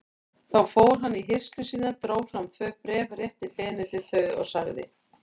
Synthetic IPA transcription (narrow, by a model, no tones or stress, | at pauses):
θawfoːwɾ̥ɦanːiɦɪr̥st̪lʏsiːnat̪ɾoːwfɾamt̪ʰvœːpɾɛːvrjɛht̪ɪpɛːnɪt̪ʰɪðθœːɥðɔ̰ɣsaɣðɪ̰